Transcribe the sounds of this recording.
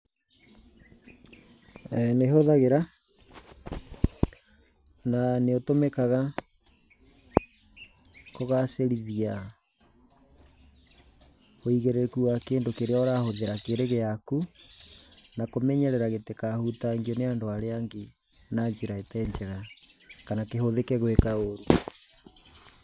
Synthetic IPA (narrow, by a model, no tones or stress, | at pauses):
ɛneɦoðaɣeɾa | naneotomɛkaɣa | koɣaseɾiβia | oiɣeɾekuwakeːndokeɾeaɔɾahoðeɾakeɾeɣeaku | nakomɛɲɛɾɛɾaɣetekahutaŋɡiɔneandoaɾeaŋɡe | naɲd͡ʒiɾaetɛɲd͡ʒɛɣa | kanakeɦoðekɛɣwekaoɾu